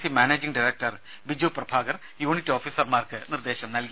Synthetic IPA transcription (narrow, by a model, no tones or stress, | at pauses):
simaːneːd͡ʑiŋɖiɾek̚ʈɐr | bid͡ʑuprɐbʱaːɡɐr | juːɳitːo̞ːfiːsɐrmaːrkɨnird̪e̞ːɕɐmnɐlki